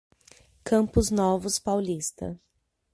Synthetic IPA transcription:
kɐ̃mpʊznɔvʊspawlist̪ɐ̰

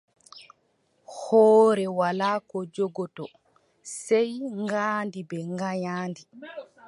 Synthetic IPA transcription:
hɔːɾɛwalaːkɔd͡ʒɔɡɔtɔ | sɛjŋɡaːndibɛŋɡaɲaːndi

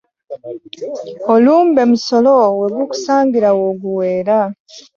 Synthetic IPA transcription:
oluːmbe̞muso̞lowe̞ɡuku̥saːŋɡiɾawoɡuweːɾa

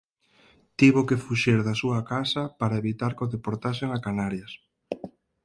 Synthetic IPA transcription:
t̪iβokefuʃiɾðasuakasɐpaɾaeβit̪aɾkoðepoɾt̪aʃ̬eŋakanaɾjɐs

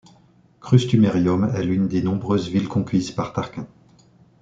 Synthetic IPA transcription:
kχyst̪ymeʁjjɔmɛ̰lynd̪enɔ̃bʁøzvilkɔ̃kʰʲizpaʁt̪aʁkɛ̃

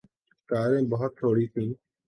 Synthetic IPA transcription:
kaːɾẽːbəɦət̪ːʰoːɽiːt̪ʰĩː

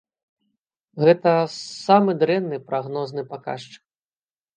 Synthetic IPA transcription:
ɣɛt̪ɐsamɨd̪ɾɛnːɨpɾaɣnɔznɨpaka̰ʂt͡ʂɨ̥k̚

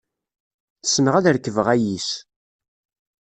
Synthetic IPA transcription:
θə̥sməʁæðəɾkːəvəʁæjis

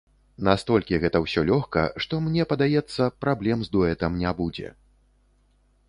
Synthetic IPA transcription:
nast̪ɔlʲkʲiɣɛt̪ɐwsʲɔlʲɔxkɐ̰ʂt̪ɔmnʲɛpɐd̪ajɛt̪sːɐpɾablʲɛmzd̪ɔɛt̪ɐmnʲabud͡zʲɛ̰

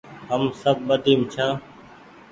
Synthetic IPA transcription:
ɦəmsəb̚ɓəd̪ʱiːmt͡ʃʰãː

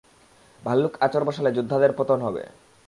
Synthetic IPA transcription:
bʱalːukat͡ɕoɾbɔʃaled͡ʑud̪ʱːad̪eɾpɾot̪onɦɔbḛ

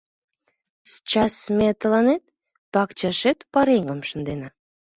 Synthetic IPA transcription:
st͡ɕɑsmet̪əlɑnet̪̚ | pɑkt͡ɕɑʃet̪pɑɾeŋɡəmʃə̆nd̪enɑ

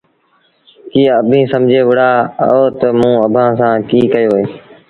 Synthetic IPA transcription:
kiːəbʱĩːsəmd͡ʒʱeːʋʊɽaːoːt̪əmũːəbʱãːsãːkiːkəjoːɦeː

